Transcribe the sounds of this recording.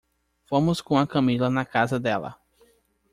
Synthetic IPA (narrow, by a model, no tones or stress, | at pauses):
fõmʊskõɐkɐ̃milɐnɐkazɐd̪ɛlɐ̰